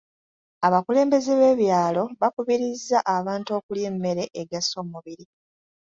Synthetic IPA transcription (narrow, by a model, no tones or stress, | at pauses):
aβakule̞ːmbe̞zeβe̞ːβjaːlo̞βakuβiɾizːaʔaβaːnto̞kuljeːmːe̞ɾe̞ʔeɡaso̞muβiɾi